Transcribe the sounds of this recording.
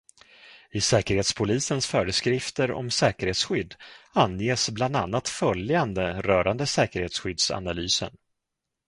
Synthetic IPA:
ɪsɛːkəɾheːt̪spʰʊliːsənsfœːɾəskɾɪft̪əɾɔ̰msɛːkəɾheːt̪sɧʏd̪ːanːjeːsbland̪a̰nːat̪fœljjand̪əɾœːɾand̪əsɛːkəɾheːt̪sɧʏd̪sa̰nalyːsə̰n

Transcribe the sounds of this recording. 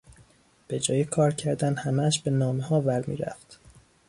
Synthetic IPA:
b̥e̞d͡ʒɒːjekʰɒːɾcʰæɾd̪ænhæmæʃbe̞nɒːmehɒːvæɾmḭːɾæ̰ft̪

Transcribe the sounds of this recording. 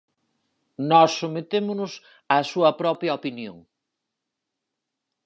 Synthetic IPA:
nɔsːomet̪emʊnʊs | ɐsuɐpɾɔpɾjɐopinjo̰ŋ

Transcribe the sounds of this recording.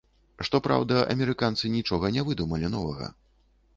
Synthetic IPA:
ʂt̪ɔpɾa̰wd̪ɐʔɐ̰mʲɛɾɨkant̪sɨnʲit͡ʂɔɣɐnʲɛvɨd̪umɐlʲinɔvɐɣɐ̰

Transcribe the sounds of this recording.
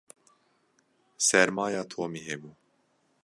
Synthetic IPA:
sɛɾmaːjaːt̪ʰoːmiːɦɛbuː

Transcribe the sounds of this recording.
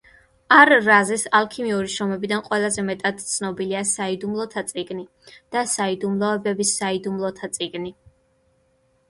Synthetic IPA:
aɾːazɛsalˠkʰimiuɾiʃɔmɛbid̪anqʼwɛlˠazɛmɛt̪ʼad̪̥t̪sʰnɔbiliasaid̪umlˠɔt̪ʰat̪sʼiɡni | d̪̥asaid̪umlˠɔɛbɛbisaid̪umlˠɔt̪ʰat̪sʼiɡni

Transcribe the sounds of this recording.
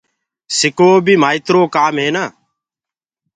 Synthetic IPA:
sɪkoːbiːmaːɪt̪ɾoːkaːmɦeːnaː

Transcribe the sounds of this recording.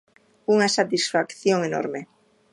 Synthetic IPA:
uŋasat̪isfakθjoŋeno̰ɾme

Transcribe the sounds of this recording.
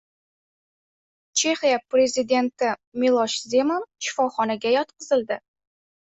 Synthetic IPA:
t͡ʃʰe̞χijapɾezid̪e̞nt̪ɪmilˠɒʃze̞mɒnʃɪ̥fɒχɒnaɡʲajɒt̪̚qɨzɪld̪ɪ

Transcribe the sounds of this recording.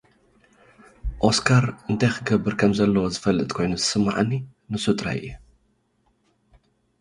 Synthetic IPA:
ʔo̞skʰaɾʔɨnt̪ʰajxɨɡɐbːɨɾkʰɐmzɐlːɐwozɨfɐlːɨt̪ʼkʰo̞jnuzɨsɨmːa̰ʕanːi | nɨsut̪ʼɾa̰jɨ̰jːu

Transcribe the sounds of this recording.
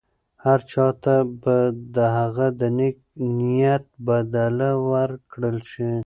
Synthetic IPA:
haɾt͡ʃɑt̪abad̪əɦaɣad̪ənek̚nijat̪̚bad̪alawaɾkɽəlʃi

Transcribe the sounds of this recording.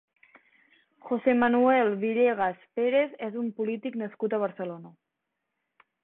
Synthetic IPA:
xosemanuɛlβiɾeɣ̞aspeɾezɛzumpulit̪iknəskut̪əβ̞əɾsəlona

